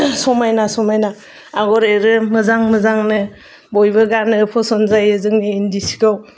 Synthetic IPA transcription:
sɔmajnasɔmajna | aɡɔɾeɾɯmɯzaŋmɯzaŋnɯ | bɔjbɯɡanɯpʰɔsɔnzajɯzɯŋniːndisi̥kaw

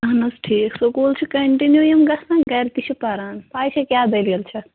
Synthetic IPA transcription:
ɐɦnɐsʈʰiːksukuːlt͡ʃʰikɐɳʈinjujɐmɡɐsãnɡɐɾt̪it͡ʃʰipɐɾaːnpaːjt͡ʃʰɐkʲjaːd̪elijəlt͡ʃʰɐ

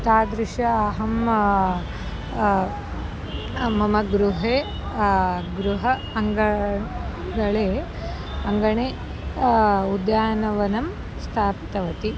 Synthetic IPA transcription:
t̪aːd̪ɾiʂɐɐɦɐm | mɐmɐɡɾuɦeː | ɡɾuɦɐ | ɐŋɡɐ | ɡɐɭeː | ɐŋɡɐɳeː | ud̪jaːnɐʋɐnɐm | st̪ʰaːpt̪ɐʋɐt̪i

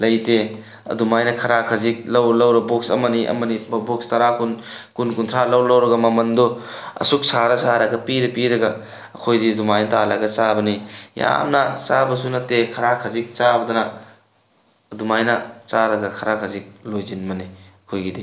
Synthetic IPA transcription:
lɐjte | ɐ̰dumajnɐkʰɐɾakʰɐzik̚lɐwlɐwɾɐbok̚sɐmɐniʔɐ̰mɐnibok̚stɐɾakunkunkuntʰɾalɐwlɐwɾɐɡɐmɐmɐndoɐ̰suk̚saɾɐsaɾaɡɐpiɾɐpiɾɐɡɐ | ɐkʰojdidumajnɐtalaɡɐt͡ʃabɐnija̰mnɐt͡ʃabɐsunɐtːekʰɐɾakʰɐzik̚t͡ʃabɐdɐnɐ | ɐdumajnɐt͡ʃaɾɐɡɐkʰɐɾakʰɐzik̚lojzinmɐniɐkʰojɡidi

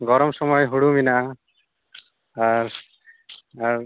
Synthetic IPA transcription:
ɡɔɾɔmsɔmɔjɦuɽuminaʔa | aɾ | aɾ

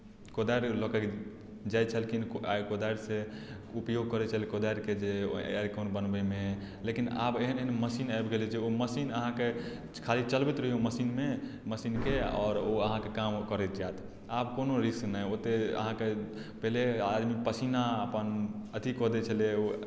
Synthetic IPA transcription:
kod̪ajɾlɔkək | d͡ʒajt͡ʃʰəlkinakod̪aɾse | upjoɡ̚kɔɾɛt͡ʃʰəlkod̪aɾked͡ʒeeɾkonbənbəme | lekina̰beɦəneɦənməsinajbɡelit͡ʃʰioməsinəɦãke | kʰalit͡ʃəlbɛt̪ɾəɦioməsinmeməsinkeɔ̰ːɾoəɦãkekamkəɾɛt̪d͡ʒat̪ʰ | abkonoɾisnajot̪eə̰ɦãke | pəɦlead̪mipəsinaəpənət̪ikɔd̪ɛt͡ʃʰəleo

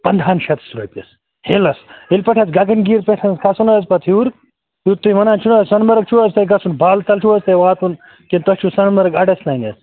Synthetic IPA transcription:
pɐnd̪ʱaːnʃɐt̪sɾopʲɐs | heːlɐsilʲpɐʈʰɐt͡sɡɐɡɐnɡiːɾpeʈʰɐnskʰɐsunɐzpɐt̪ʰuːɾ | juɾt̪uimɐnaːnt͡ʃʰunɐssɐnmɐɾɐk̚t͡ʃʰuɐst̪ɐjɡɐsunbʱaːlt̪ɐlt͡ʃʰuɐst̪ɐjʋaːt̪un | kint̪ɐst͡ʃʰusɐnmɐɾɐɡɐɖɐslaːnɐs

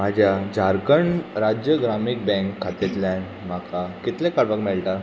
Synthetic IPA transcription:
m̤ad͡ʑʱjad͡ʑʱaɾkəɳɾad͡ʑjəɡɾamik̚bɛ̃ŋkʰːat̪et̪la | m̤akakit̪lẽkaɽʋakmɛɭʈa

